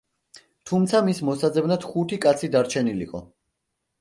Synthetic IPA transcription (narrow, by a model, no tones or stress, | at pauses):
t̪ʰumt̪sʰamismɔsad̪zɛbnad̪̥χut̪ʰikʼat̪sʰid̪aɾt͡ʃʰɛnilḭqʼɔ̰